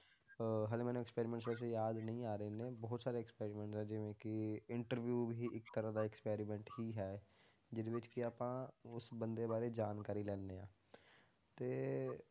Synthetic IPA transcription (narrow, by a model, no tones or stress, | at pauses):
ɦəːlẽmɛːnũːɛkspɛːɾimɛ̃ːɳʈs̬ʋɛːs̬ejaːd̪nəĩːaːɾəeːnẽːbɔːt̪saːɾeːkspeːɾimɛ̃ːɳʈsɛ̃ːd͡ʒɪʋẽːkɪɪɳʈəɾʋjuːbʱiːʔɪkt̪əɾãd̪aːɪkspɛːɾimɛ̃ːɳʈhiːɦɛː | d͡ʒɪd̪eʋɪt͡ʃkɪaːpãːʊsbənd̪eːbaːɾeːd͡ʒaːnkaːɾiːlɛːnːeːãː | t̪eː